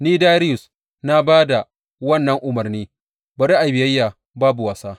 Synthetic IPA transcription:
niː˦daː˦ɾɪ˦jʊ˨s | na˦baː˦da˨ | wɐ˦˨nːɐ˦ŋʔʊ˨mɐ˨rniː˦ | bɐ˨ɾi˦ʔa˨bɪ˨jɐ˦jːaː˨ | baː˦bu˨wɐ˨saː˦

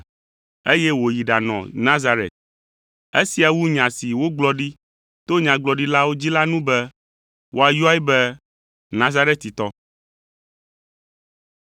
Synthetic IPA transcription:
e˦je˦wo˨ji˨ɖa˨nɔ̰̃˨nã˦za˦ɾḛ˨t̪̚ | e˦si˨a˨wu˦ɲã˨si˨wo˦ɡ͡blɔ˦ɖi˦ | t̪o˦ɲã˨ɡ͡blɔ˨ɖi˦la˦wo˦d͡ʑi˦la˦nũ˦bɛ˦ | wʔo˦a˨ju˦a˦ji˦bɛ˦ | nã˦za˦ɾe˦t̪ːi˨t̪ɔ˦

